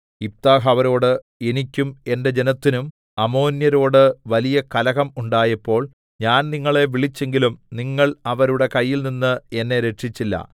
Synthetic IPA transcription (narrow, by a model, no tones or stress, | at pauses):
ip̚t̪aːɦɐʋɐɾo̞ːɽɨ | e̞nikʲːume̞nde̞d͡ʑenɐt̪ːinum | ɐmo̞ːnjɐɾo̞ːɽɨʋɐlijɐkɐlɐɣɐmuɳɖaːjɐpːo̞ːɭ | ɲaːnniŋːɐɭe̞ʋiɭit͡ɕːe̞ŋɡilumniŋːɐɭɐʋɐɾuɽe̞kɐjːilninːɨe̞nːe̞ɾe̞ʈʂit͡ɕːilːɐ̰